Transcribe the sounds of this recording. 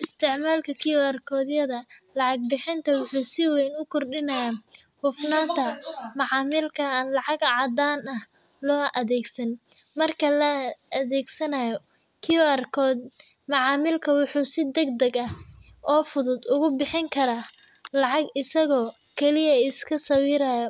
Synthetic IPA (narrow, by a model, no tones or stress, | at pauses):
ʔɪst̪ʰɪʕmaːlkʰɐkʰɪjɔɐrkʰɔːðjɐðɐlɑʕɑɡ̚bɪħɪnt̪ʰɐwʊħuːsɪwɛjnʊkʰɔrɖɪnɐjaː | hʊfnaːnt̪ʰɐmɑʕɑːmɪlkʰɐnlɑʕɑɡʕɑd̪aːnɐh | lɔːʔɐðɛːɡsɐn | mɐrkʰɐlɐɐðɛːɡsɐnɐjɔ | kʰɪjrkʰɔːd̪ | mɑʕɑːmɪlkʰɐwʊħuːsɪd̪ɐɡd̪ɐɡɐh | ʔɔːfʊðʊd̪ʊɣʊbɪħɪŋkʰɐɾaː | lɑʕɑɡɪsɐɣɔː | kʰɛlɪjɐɪskʰɐsɐwiːɾajɔ